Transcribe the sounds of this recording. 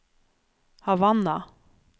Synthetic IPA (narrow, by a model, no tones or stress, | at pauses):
havanːa